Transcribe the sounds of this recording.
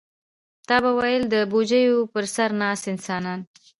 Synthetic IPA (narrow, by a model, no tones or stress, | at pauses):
t̪ɑbawajəld̪əbod͡ʒəjopəɾsaɾnɑsɪnsɑnɑn